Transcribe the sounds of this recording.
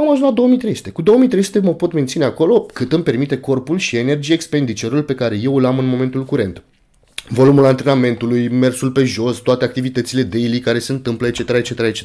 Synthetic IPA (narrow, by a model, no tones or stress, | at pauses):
amaʒunzlad̪o̞womijt̪ɾe̞jsu̥t̪e̞kud̪o̞omijt̪ɾejsu̥t̪eməpo̞t̪me̞nt̪sine̞ako̞lo̞kɨt̪ɨmpe̞rmit̪e̞ko̞rpulʃiene̞rd͡ʒiekspe̞nd̪it͡ʃe̞ɾulpe̞kaɾe̞je̞wlamɨnmo̞me̞nt̪ulkuɾe̞̰nt̪ | vo̞lumulant̪ɾe̞name̞nt̪ulujme̞rsulpe̞ʒo̞st̪oat̪eak̚t̪ivit̪ət̪sile̞d̪ejlikaɾe̞se̞ɨnt̪ɨmpləet͡ʃe̞t̪eɾaet͡ʃeeɾaet͡ʃe